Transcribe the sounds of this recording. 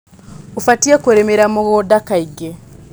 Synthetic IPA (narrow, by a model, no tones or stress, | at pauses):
ufatiekoɾemeɾamoɣodakaiɡe